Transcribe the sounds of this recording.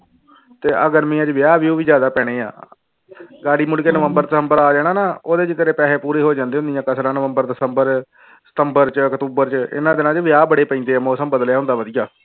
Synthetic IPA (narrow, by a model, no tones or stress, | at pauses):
t̪eːʔəɡəɾmĩːãːd͡ʒʋɪjaːʋiuːʋiːd͡ʒjaːd̪aːpɛːɽ̃eːa̰ː | ɡaːɽiːmʊɽkeːnəʋəmbəɾd̪səmbəɾaːd͡ʒɛːɽ̃aːnaːoːd̪eːd͡ʒɪt̪eɾeːpɛːɦeːpuːɾeːɦoːd͡ʒãːnd̪eːɦʊnd̪ijãːkəsɾãːnəʋəmbəɾd̪əsəmbəɾ | sə̥t̪əmbəɾt͡ʃkət̪uːbəɾt͡ʃəɪ̰nãːd̪ɪnãːt͡ʃʋjaːbəɽeːpəĩːd̪eːaːmɔːsəmbəd̪ljaːɦʊ̃nd̪aːʋəd̪ijaː